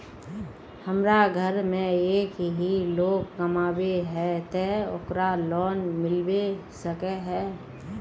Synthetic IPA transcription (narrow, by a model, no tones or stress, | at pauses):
həmɾaɡʱəɾmẽeːkɦiloːɡ̚kəmaːbeɦɛt̪eo̰kɾalɔːnmɪlbesəkeɦɛː